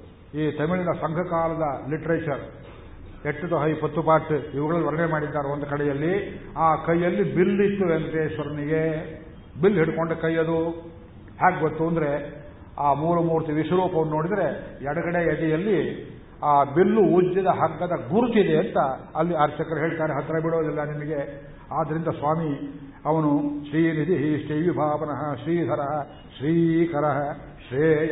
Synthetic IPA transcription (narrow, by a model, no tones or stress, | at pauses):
iːt̪ɐmiɭinɐsɐŋɡʱɐkaːlɐd̪ɐliʈɐɾeːt͡ʃɐɾ | eʈːut̪ɐɦɐjpɐt̪ːupaːɾʈiʋɐɡɐɭɐlːiʋɐɾɐɳemaːɽid̪ːaːɾeond̪ukɐɽɛjɐlːiaːkɐjːɐlːibilːit̪ːuend̪ɾesʋɐɾɐniɡe̞ | bilːɦiɽukoɳɖukɐjːɐd̪u | haːɡɡot̪ːuɐnd̪ɾe̞ | aːmuːɾumuːɾt̪iʋiʃɐɾuːpɐʋɐnːoːɽid̪ɐɾe̞jɛɽɐɡɐɽeɐd̪ijɐlːi | aːbilːuud͡ʒid̪ɐɦɐɡːɐd̪ɐɡuɾut͡ʃid̪eɐnt̪ɐɐlːiɐɾt͡ʃɐkɐɾɐɦeːɭt̪aːɾeɦɐt̪ːɾɐbiɽoːd̪ilːɐnimɐɡe̞ | aːd̪ɐɾind̪ɐsʋaːmi | ɐʋɐnuʃɾiːnit̪iɦiʃʈiːʋibʱaːʋɐnɐɦɐʃɾiːd̪ʱɐɾɐɦɐ | ʃɾiːkɐɾɐɦɐ | ʃɾeː